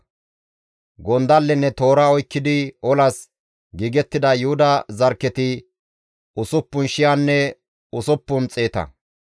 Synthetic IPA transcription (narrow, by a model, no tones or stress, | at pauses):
ɡɔnd̪ɐlːɛnːɛt̪o̞ːɾaɔjkːɪd̪ɪɔlɐs | ɡiːɡɛt̪ːɪd̪ɐjʊhʊd̪ɐzɐɾkːɛt̪ɪ | ʔʊsʊpːʊnʃɪjanːɛ | ʊsʊpːʊnt͡sʼe̞ːt̪ɐ̰